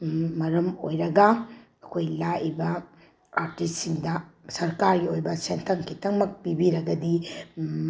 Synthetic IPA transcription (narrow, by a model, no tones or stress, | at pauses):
ɐɾɐmo̰jɾɐɡɐ | ɐkʰojlaʔibɐ | aɾtissiŋdɐsɐɾkaɾɡiojbɐsentʰɐŋkʰitʰɐŋmɐk̚pibiɾɐɡɐdi